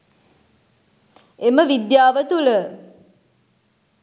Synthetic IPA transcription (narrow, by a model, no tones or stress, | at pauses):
eməʋid̪jaːʋət̪ulə